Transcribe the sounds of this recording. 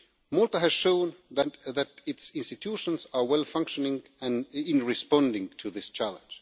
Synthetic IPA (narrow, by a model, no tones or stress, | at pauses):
mɔlˠtəɦɨz̥ʃõʊ̃nðɨtðæɾɪtsɪ̃nstɨtʰuʃə̃nzə˞wɛlˠfʌ̃ŋkʃənɪ̃ŋ | ɨ̃nɪ̃nɹɨspɑ̃ndɪ̃ŋtʰɨðɪst͡ʃʰælˠə̰̃nd͡ʒ̥